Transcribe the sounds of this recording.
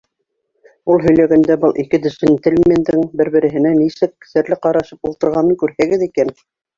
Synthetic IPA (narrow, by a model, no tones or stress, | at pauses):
ulˠɦɵ̆jlæɡænd̪æbɤlˠʔikɘd̪ɵ̆sɘnt̪ɘlʲmʲend̪ɘŋbɘɾbɘ̆ɾɘ̆ɦɘ̆nænisɘk̆sæɾlɘqɑɾɑʃɤpulˠt̪ɤ̆ɾʁɑnɤŋkʉɾhæɡɘðikæn